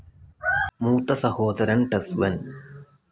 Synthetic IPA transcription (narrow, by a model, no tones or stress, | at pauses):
muːt̪ːɐsɐhoːd̪ɐɾɐnʈɐsʋɐn